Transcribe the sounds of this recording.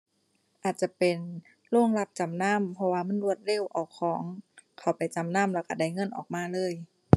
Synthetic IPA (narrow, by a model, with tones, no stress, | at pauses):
ʔaː˨˩t̪̚t͡ɕa˧˩pe˨n | lu˧˥˩ə˨ŋla˧p̚t͡ɕa˨mna˧˥˨mpʰɔ˧waː˧ma˧˥˨nlu˧˩ət̪̚le˧˥˨wʔa˨˩wkʰɔː˩˦ŋkʰa˨˩wpa˨jt͡ɕa˨˩mna˧˥˨mlɛː˧˩wka˧˩da˧˩jŋɤ˧˥˨nʔɔː˨˩k̚maː˧˥˨lɤː˧˥˨j